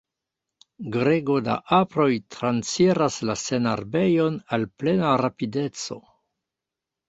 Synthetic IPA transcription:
ɡɾeɡoda̰ʔapɾo̞jtɾant͡siɾaslasena̰ɾbe̞jo̞nalple̞naɾapide̞t͡so̞̰

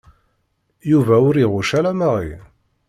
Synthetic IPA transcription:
juvæʊɾiʁʊʃælæmaʁḭ

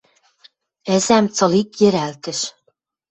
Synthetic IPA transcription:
ɛzæmt͡sɤlikjɘ̆ɾælt̪ɘ̆ʃ

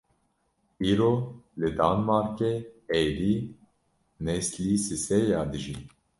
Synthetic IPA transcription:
iːɾolɨd̪aːnmaːɾkeeːliː | nɛsliːsisɛjaːd̪ɨʒi

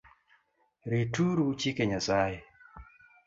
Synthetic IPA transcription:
ɾituɾut͡ʃikeɲasaje

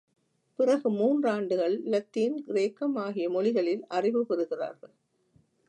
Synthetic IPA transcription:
pɪrɐɣɯmuːndraːɳɖɯɣɐɭːɐt̪ːiːnɡɪɾeːkːɐmaːɣɪjɐmɔɭɪɣɐɭɪlʔɐrɪʋɯpɪrɯɣɪra̰ːɾɣɐɭ

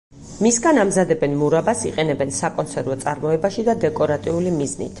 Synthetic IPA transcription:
misɡanamzad̪ɛbɛnmuɾabasiqʼɛnɛbɛnsakʼɔnt̪sʰɛɾvɔt̪sʼaɾmɔɛbaʃid̪ad̪ɛkʼɔɾat̪ʼiulimiznḭt̪ʰ

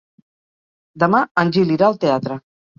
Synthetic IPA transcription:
d̪əmaənʲʒiliɾaəlˠt̪eat̪ɾə

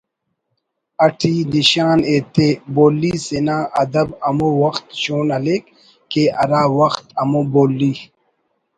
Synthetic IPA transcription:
ɐʈʰiːniɕaːneːt̪eboːlːiːsenaːʔɐd̪ɐbɐmowɐxt̪ɕoːnɐleːkː | eʔɐɾaːwɐxt̪ɐmoboːlːi

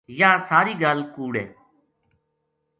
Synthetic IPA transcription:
jaːsaːɾiːɡaːlkuːɽɛ̰ː

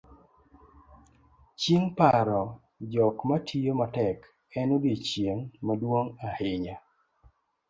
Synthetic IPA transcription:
t͡ʃiŋpaɾɔ | d͡ʒɔkmatʰijomatɛk | ɛnodet͡ʃjeŋmadwoŋahɪɲa

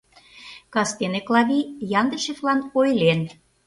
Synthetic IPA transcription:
kɑst̪eneklɑβʲijɑnd̪ə̆ʃeflɑnojlen

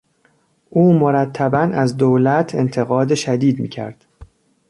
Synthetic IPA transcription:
ʔuːmoɾæt̪ʰːæbænæzd̪owlæt̪ʰe̞̰nt̪ʰeɣɒːd̪eʃæd̪iːd̪mḭːcʰæ̰ɾd̪̥

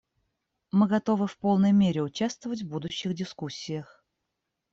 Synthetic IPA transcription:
mɨɡɐt̪o̞vɨfpolˠnəjmʲeɾʲɪʊt͡ɕast̪vəvətʲvbud̪ʊɕːɪɣdʲɪskusʲːɪjəx

